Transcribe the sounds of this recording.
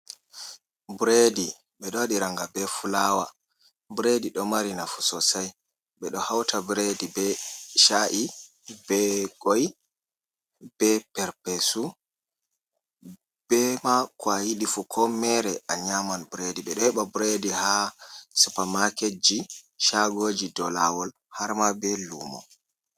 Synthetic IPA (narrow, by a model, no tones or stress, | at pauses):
buɾedi | ɓɛɗɔɗiɾaŋɡabɛfulaːwa | bɾediɗɔmaɾinafu̥sɔsaj | ɓɛɗɔhawtʰabɾedibɛʃaʔi | bɛɡoj | b̥ɛpɛɾpesu | b̥ɛmakwajiɗifukʰɔmɛɾɛʔaɲamanbɾediɓɛɗɔhɛɓabɾedihasupamaked͡ʒiʃaɡoːd͡ʒidɔlawɔl | haɾmabɛlṵːmɔ̰